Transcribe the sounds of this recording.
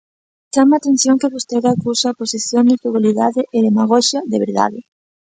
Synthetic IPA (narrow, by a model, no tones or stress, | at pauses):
t͡ʃamaːt̪enθjoŋkeβost̪eɾakusaːposiθjond̪ek̪uɣoliðaðɪʔeðemaɣ̞ɔʃɐðeβḛɾða̰ðɪ